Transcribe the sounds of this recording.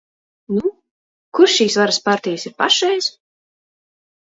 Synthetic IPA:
nu | kuɾʃʃiːsvaɾaspaɾt̪ijasiɾpa̰ʃɛjz

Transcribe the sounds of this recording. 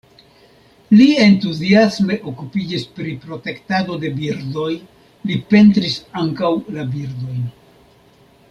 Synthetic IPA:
lie̞ntuziasme̞ʔo̞kupid͡ʒispɾipɾo̞te̞ktado̞de̞biɾdo̞j | lipe̞ntɾisaŋkawlabiɾdo̞jn

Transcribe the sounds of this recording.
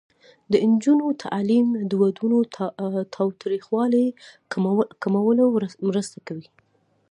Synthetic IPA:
d̪ənd͡ʒunot̪ʰa̰ʔlimd̪əwad̪unot̪ʰɑwt̪ɾixwɑle | kamawəlomɾəst̪akawi

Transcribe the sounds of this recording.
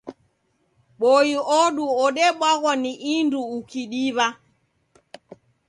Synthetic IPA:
ɓɔiɔɗuɔɗɛɓwaɣɔniʔinduːkiɗiβa

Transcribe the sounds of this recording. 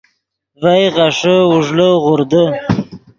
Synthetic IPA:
vajʁaʂəʊʐləʁʊɾd̪ə

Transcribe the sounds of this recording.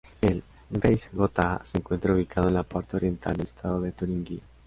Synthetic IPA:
el | ɡɾejsɡot̪aseŋkwent̪ɾauβikʰaðoenlapɔɾt̪aoɾjent̪ʰa̰ld̪est̪ʰaðoðet̪uɾiŋɡi

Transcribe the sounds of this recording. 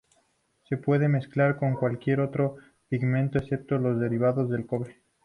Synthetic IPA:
se̞pwe̞ð̞e̞me̞sklaɾko̞ŋkwalkje̞ɾo̞t̪ɾo̞ | piɣmẽ̞nt̪oesep̚t̪olo̞zðe̞ɾiβ̞aðo̞zðe̞lko̞βɾe

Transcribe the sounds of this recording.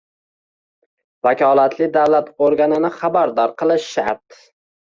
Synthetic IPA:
vakʲɒlˠat̪ʰlɪd̪awlat̪oɾɡʲanɪnɪχabaɾd̪ɒɾqɨlˠɪʃʃa̰t̪

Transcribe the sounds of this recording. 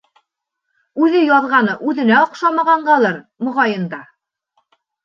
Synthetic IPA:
ʉðɘjɑðʁɑnɤʔʉðɘ̆næŏqʃɑmɑʁɑɴɢɑlˠɤɾ | mŏʁɑjɤ̆nd̪ɑ

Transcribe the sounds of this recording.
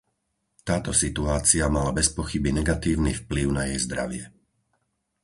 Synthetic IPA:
t̪aːt̪ɔsit̪uaːt͡siamalabɛspɔxibinɛɡat̪iːʊnifpliʊnajɛjzd̪ɾa̰ʋɪɛ

